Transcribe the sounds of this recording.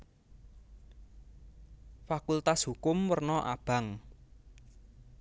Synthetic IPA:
fakult̪ashukʊmwərnɔʔa̰b̥a̤ŋ

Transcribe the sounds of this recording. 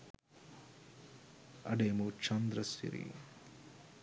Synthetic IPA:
ɐ̰ɖeːmut͡ʃʰɐnd̪ɾɐsḭɾḭ

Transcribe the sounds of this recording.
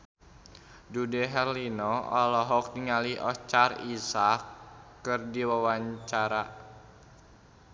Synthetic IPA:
dudɛɦɛrlinɔɔlɔɦɔk̚niŋaliɔt͡ʃarisakː | ɨrdiwawaɲt͡ʃaɾa

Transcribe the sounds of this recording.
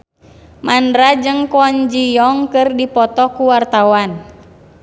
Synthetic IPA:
mandɾad͡ʒɨŋkɔɲd͡ʒijɔŋkɨrdipɔt̪ɔkuwart̪awan

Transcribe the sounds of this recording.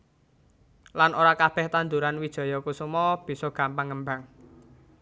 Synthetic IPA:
lanoɾakab̥ɛ̤ht̪and̪uɾanwid̥ʒ̥ɔ̤jɔkusumɔb̥i̤sɔɡ̥a̤mpaŋːəmbaŋ

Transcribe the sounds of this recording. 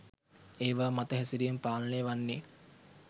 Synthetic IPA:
eːʋaːmat̪əɦɛsiɾijempaːlənejʋanːe

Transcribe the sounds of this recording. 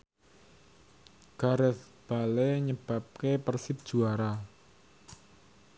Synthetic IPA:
ɡ̥aɾɛθ | b̥a̤leɲəb̥a̤p̚kepərsɪp̚d̥ʒ̥uaɾa

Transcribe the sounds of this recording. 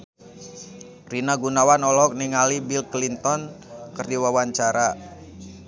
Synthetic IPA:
rinaɡunawanɔlɔk̚niŋalibilklint̪ɔnkərdiwawaɲt͡ʃaɾa

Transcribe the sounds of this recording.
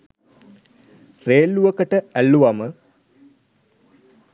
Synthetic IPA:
reːlːuʋəkəʈəælːuʋamə

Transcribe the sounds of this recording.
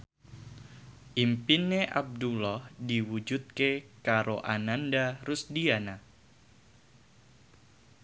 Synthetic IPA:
ʔimpineʔa̰b̚dulɔhdiwud͡ʒut̪̚kekaɾʔoʔanandarusdiana

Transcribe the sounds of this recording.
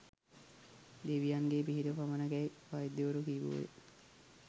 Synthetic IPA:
d̪eʋijaŋɡeːpiɦiɾəpamənəɡɛiʋajid̪ːeuɾukiːʋo̰ːʋḛ

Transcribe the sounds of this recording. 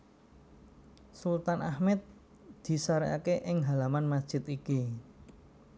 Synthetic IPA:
sult̪anʔahmɛt̪̚ | d̪̥i̤saɾḭa̰keʔɪŋɦalamanmasd̥ʒ̥ɪ̤t̪iki

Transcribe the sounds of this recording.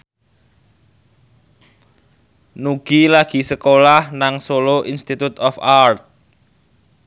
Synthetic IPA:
nuɡ̥ilaɡ̥i̤səkolahnaŋsoloʔinst̪it̪ut̪ɔfart̪̚

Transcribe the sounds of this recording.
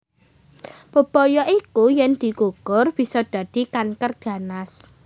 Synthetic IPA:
b̥ə̤b̥ɔjɔʔikujɛnd̪̥i̤kukʊrb̥i̤sɔd̪̥ä̤d̪̥i̤kankərd̥ä̤nas

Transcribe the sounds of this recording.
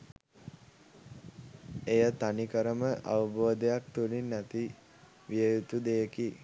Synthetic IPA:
ejət̪anikəɾəməʔa̰ʋəboːd̪ejak̚t̪ulinːæt̪i | ʋijəjut̪ud̪ejəki

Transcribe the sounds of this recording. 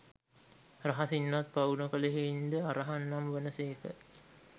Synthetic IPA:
raɦasinːat̪̚paunokəleɦeind̪əaɾaɦanːamʋənəseːkə̰

